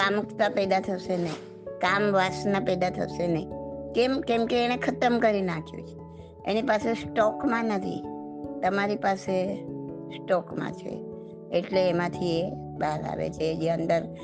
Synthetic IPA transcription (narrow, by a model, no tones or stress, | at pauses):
kamukʰt̪apɛd̪at̪ʰəʃenəi | kamʋasnapɛd̪at̪ʰə̰ʃenəikemkemkeːñekʰət̪əmkəɾinakʰjṵ̃t͡ʃʰe̥ | ḛnipasesʈɔkmãnət̪ʰḭ | t̪əmaɾipase | sʈɔkmã̰t͡ʃʰḛ | eʈleːmãt̪ʰie | baɾa̰ʋḛt͡ʃʰed͡ʒeənd̪əɾ